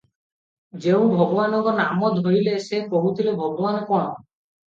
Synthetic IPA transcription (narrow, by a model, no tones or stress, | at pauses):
d͡ʒeũbʱɔɡɔbanɔŋkɔnamɔd̪ʱojlesekoɦut̪ʰilebʱɔɡɔbanɔkɔɽ̃ɔ̰